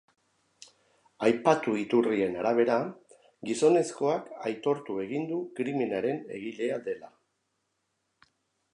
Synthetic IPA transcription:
ajpat̪uit̪urie̞naɾaβ̞e̞ɾa | ɡiso̞ne̞sko̞akajt̪o̞ɾt̪ue̞ɣind̪ukɾiminaɾe̞ne̞̰ɣ̞ile̞ad̪e̞la

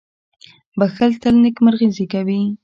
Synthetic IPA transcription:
baxəlt̪əlnɪkməɾɣizikawi

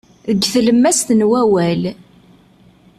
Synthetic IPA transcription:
ðəɡθləmːæst̪ənwæwæl

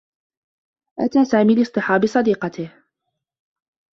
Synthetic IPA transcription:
ʔat̪aːsaːmiːlɨsˤt̪ɨħɑːbɨsˤɑd̪iːqɑt̪ɪh

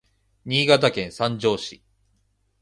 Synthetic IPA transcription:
ɲ̟iːɡat̪akẽ̞ɰ̃sãɲd͡ʑo̞ːɕḭ

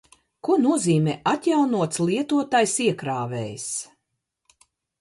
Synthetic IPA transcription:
kunuɔziːmʲɛːʔat̪jawnuɔt̪slˠiɛt̪uɔt̪aːjsiɛkɾaːvɛ̰ːjs

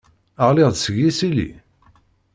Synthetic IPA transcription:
əʁlɪʁðsəɣːisilḭ

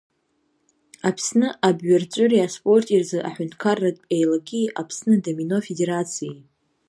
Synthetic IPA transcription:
apʰsnɨʔabɥart͡ɕʷʼʊɾiaspʼo̞rtʼirzɨʔa̰ħʷᶣʊntʰʼkʰarːatʼejlaɡʲiʔapʰsnɨdamino̞fede̞ɾat͡sʰiji

